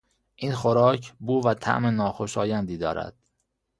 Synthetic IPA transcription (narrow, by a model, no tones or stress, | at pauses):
ʔiːnxoɾɒːcʰbuːvæt̪ʰæ̰ʔmenɒːxoʃɒːjænd̪iːd̪ɒ̰ːɾæ̰d̪̥